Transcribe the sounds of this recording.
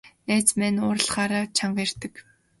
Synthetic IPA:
eːt͡smænʊːr̆ɮχaːɾaːt͡ɕʰaɴɢer̥t̪ə̆k

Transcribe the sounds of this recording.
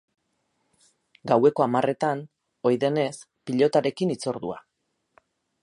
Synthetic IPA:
ɡawe̞ko̞amare̞t̪an | o̞jðe̞ne̞s | piʎo̞t̪aɾe̞kinit͡so̞ɾðṵa̰

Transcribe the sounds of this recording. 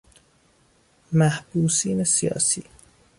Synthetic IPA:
mæhb̥uːsiːnesijɒ̰ːsḭː

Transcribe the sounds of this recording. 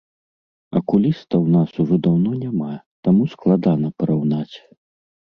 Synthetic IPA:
ɐ̰kulʲist̪ɐwnasuʐɔd̪awnɔnʲama | t̪amusklˠad̪anɐpɐɾawnat͡sʲ

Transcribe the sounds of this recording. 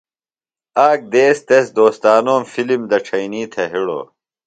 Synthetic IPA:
aːk̚d̪eːst̪esd̪oːst̪aːnoːmfilimd̪ɐʈ͡ʂʰɐiniːt̪ʰeɦiɽo̰ː

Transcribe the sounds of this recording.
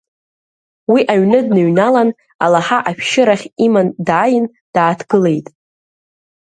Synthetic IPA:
wiʔaɥnɨdnɨɥnalan | a̰laħaʔaʃʃɪɾaχʲimandʕajɪn | d̥aːtʰɡɨle̞jtʼ

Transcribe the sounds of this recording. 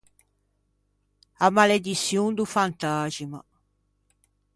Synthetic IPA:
amːaled̪it̪sːjund̪ufant̪aːd͡ʒima̰

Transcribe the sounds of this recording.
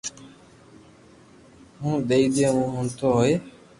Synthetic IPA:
ɦũːd̪eiːd̪ẽːɦũːɦʊ̃ːnt̪ʰoːɦoːeː

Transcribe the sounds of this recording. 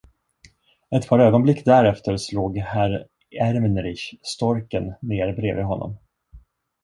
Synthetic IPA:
ɛt̪pʰɑːɾøːɡɔnblɪkːd̪æɾɛft̪əɾsloːɡhæɾ | æɾmnɾɪɕst̪ɔɾkənːeːɾbɾḛːvɪɦɔnːɔ̰m

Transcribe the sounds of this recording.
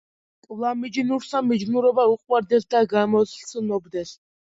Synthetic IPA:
kʼvlˠamid͡ʒinuɾsamid͡ʒnuɾɔbauqʼwaɾd̪ɛsd̪aɡamɔsɬsʰənɔbd̪ɛs

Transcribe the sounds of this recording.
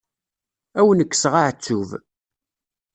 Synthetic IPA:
æwənəkːsʁaʕt͡sːuv

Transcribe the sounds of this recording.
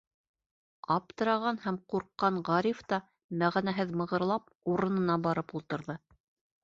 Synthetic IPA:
ɑp̚t̪ɤ̆ɾɑʁɑnhæmquɾqːɑɴʁɑɾift̪ɑ | mæʁænæɦɘðmɤ̆ʁɤ̆ɾlˠɑp̚ | uɾɤ̆nɤ̆nɑbɑɾɤpulˠt̪ɤ̆ɾðɤ

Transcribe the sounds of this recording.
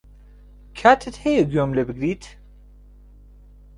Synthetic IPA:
kʰaːt̪ʰɨt̪hejeɡjomlebɨɡɾiːt̪ʰ

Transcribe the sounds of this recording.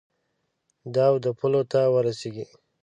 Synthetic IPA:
d̪ɑwd̪əpʰulot̪awəɾaseɡi

